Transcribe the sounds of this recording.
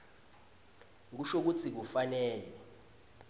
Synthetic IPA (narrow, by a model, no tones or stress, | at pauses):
ŋk̬uʃok̬ut͡sʰik̬ufanɛːlɛ